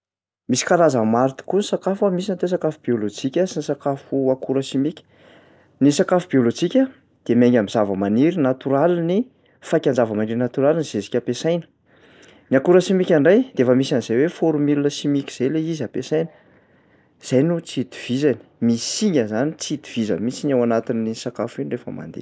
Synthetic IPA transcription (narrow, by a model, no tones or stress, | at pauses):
misi̥kaɾazamaɾit̪i̥kunisakafamisinat̪os̬akafubiolod͡ʒikʲəsinisakafuakuɾəʃimikʲi̥ | nisakafubiolod͡ʒikʲə | d̪̥emeŋɡʲamiz̥avəmaniɾinat̪uɾalini | fakʲand͡ʒavəmaniɾinat̪uɾaliniz̥esi̥kʲapesajnə̥ | niakuɾəsimikʲaɳɖ͡ʐajd̪̥eefəmisaniz̥ajwefoɾumilunəʃimikʲi̥z̥ejleizapesajnə̥ | z̥ajnut͡sit̪i̥v̥izani̥misiɲəzanit͡sid̪i̥v̥izə̰mit͡siɲawanat̪inːisakafuinrefəma̰nd̪ḛ